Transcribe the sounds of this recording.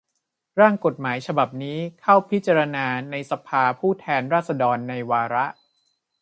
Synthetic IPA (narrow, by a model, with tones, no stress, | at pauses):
ɾaː˥˩ŋko˨˩t̪̚maː˩˦jt͡ɕʰa˧ba˨˩p̚niː˦˥kʰa˥˩wpʰi˦˥t͡ɕa˧ɾa˧naː˧na˧jsa˧pʰaː˧pʰuː˥˩t̪ʰɛː˧nɾaː˥˩t̪̚sa˧dɔː˧nːa˧jwaː˧ɾa˦˥ʔ